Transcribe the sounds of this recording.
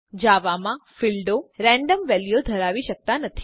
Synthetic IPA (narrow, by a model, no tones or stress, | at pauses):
d͡ʒaʋamãfilɖoɾɛ̃ɳɖəmʋɛljod̪ʱəɾaʋiʃək̚t̪anət̪ʰi̥